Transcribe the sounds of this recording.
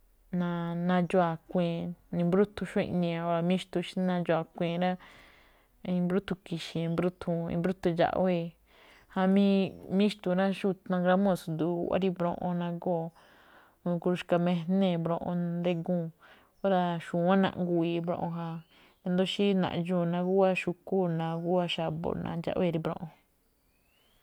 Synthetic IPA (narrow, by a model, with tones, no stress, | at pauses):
nã˧nã˧d͡ʒu˦a˧˨kʷẽ˧˨˧nĩ˧bɾu˦t̪u˧ʃõ˦ḭ˧nĩ˧ã˧o˦ɾa˧mĩ˦ʃt̪u˧ʃi̥˦nã˧d͡ʒo˧a˧˨kʷẽ˨ɾa˦ | ĩ˧mbɾu˦t̪u˧ki˨ʃĩ˧mbɾu˦t̪ʰu˧ḭ˧mbɾu˦t̪u˧ʒa̰˧ʔe˦˧ | ha˧mĩ˦mĩ˦ʃt̪u˧ɾa˦ʃu˦t̪ã˧ɡɾa˧˦mõ˧˨su˧nd̪ṵ˧˨˧a̰˦ɾi˦˧βɾõ̰˧ʔõ̰˧nã˧ɡoː˦˨˧ | ku˧ɾu˧ʃka˧mẽ˧nẽ˦˨bɾõ˧ʔõ̰˧nd̪e˧ɡũː˦˧˨ | o˦ɾa˧ʃu˨ã˦nã̰˧ʔŋɡu˧˨i˧βɾõ̰˧ʔõ˧ɦa˧ | e˧nd̪o˦ʃi˦nã̰˨ʔʒũː˧˨nã˧ɣu˦a˦ʃu˧ku˦nã˧ɡu˦a˦ʃa˧˨βo̰˧nã̰˧d͡ʒa̰˧ʔβe˦˧ɾi˧βɾõ̰˧ʔõ˧